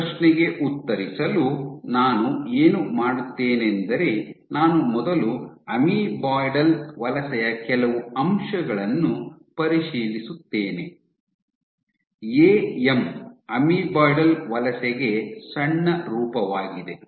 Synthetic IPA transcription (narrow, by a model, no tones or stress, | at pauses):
ʃnɛɡe̞ʔut̪ːɐɾisɐlunaːnueːnumaːɽut̪ːeːnend̪ɐɾe̞naːnumɔd̪ɐluɐmibaːjɖɐlʋɐlɐsɛjɐkɛlɐʋuɐmʂɐɡɐɭɐnːu | pɐɾiʃiːlisut̪ːeːne̞ | eːemɐmibaːjɖɐlʋɐlɐsɛɡe̞sɐɳːɐɾuːpɐʋaːɡid̪e̞